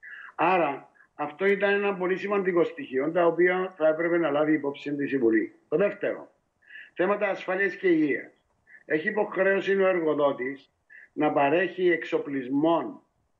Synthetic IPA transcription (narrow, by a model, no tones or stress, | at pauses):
ɐɾɐː | ft̪o̞it̪ɐne̞nɐmbo̞lisimɐnd̪iko̞st̪içio̞nt̪ɐopiɐθɐepɾe̞pe̞nɐlɐviːpo̞psint̪isimvulit̪o̞ðe̞ft̪e̞ɾo̰ | θe̞mɐt̪ɐːsfɐliɐsce̞iʝiɐ̰s | e̞çiːpo̞xɾe̞osinoe̞ɾɣo̞ðo̞t̪is | nɐpɐɾe̞çiekso̞plizmo̞n